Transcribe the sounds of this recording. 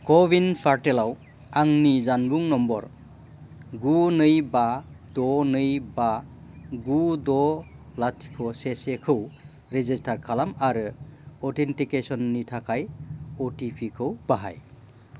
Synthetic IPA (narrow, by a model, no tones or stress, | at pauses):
kɔbinpʰaɾtelaw | aŋnizanbuŋnɔmbɔ̰ɾ | ɡunɯjbadɔnɯjba | ɡudɔlatʰi̥kʰɔsesekʰɯw | ɾezistʰaɾkʰalamaɾɯɔtʰentikesɔnːitʰakʰajɔtipʰikʰɯwb̥aɦa̰j